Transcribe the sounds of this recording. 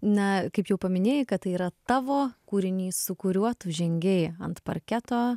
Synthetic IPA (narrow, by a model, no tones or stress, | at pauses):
nʲɛkɐɪpjɛʊpɐmʲɪnʲeːjɪkɐt̪̚t̪ɐɪiːɾɐt̪ɑːʋoːkuːɾʲɪnʲiːsʊkʊɾʲuɔt̪ʊʒʲɛŋʲɡʲɛɪɐnt̪pɐ̰ɾʲkʲæt̪oː